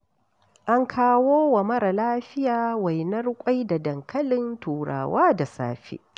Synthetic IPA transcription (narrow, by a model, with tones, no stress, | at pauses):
ʔa˦ŋkʰaː˦woː˦wɐ˨mɐ˦ɾa˨laː˦ɸɪ˦jaː˨wa˨jnɐ˦rkʷʼa˦jda˨dɐ˨ŋkʰɐ˦lɪ˦ntuː˨ɽa̰ː˨waː˦da˨sa̰ː˦ɸḛː˦ʔ